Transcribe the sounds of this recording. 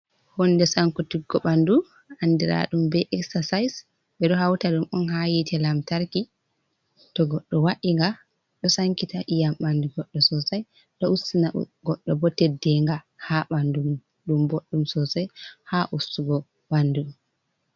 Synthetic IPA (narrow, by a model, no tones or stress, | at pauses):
hɔnːdɛsaŋkɔtiɡːɔɓandu | andiɾa̰ɗumbɛʔɛksasajs | ɓɛɗɔɦawtaɗumɔnhajitʰɛlamtaɾki | tɔɡɔɗːɔwaʔiŋɡa | ɗɔsaŋkitaʔijamɓanduɡɔɗːɔsɔsaj | ɗɔusina̰ɡɔɗːɔbɔtɛdːɛŋɡa | haɓandum | ɗumboɗːumsɔsajhaʔusuɡɔ | ɓanːdum